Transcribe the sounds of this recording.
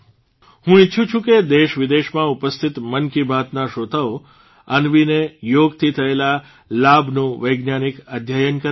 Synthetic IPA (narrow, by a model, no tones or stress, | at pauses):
hũitːt͡ʃʰũt͡ʃʰũked̪eʃʋɪd̪eʃmãupəst̪ʰit̪mənkibʱat̪naʃot̪ʰəʋo | ənʋinejoɡt̪ʰit̪ʰəela | labʱnũʋəjɡnjanikəd̪ʱjajənkə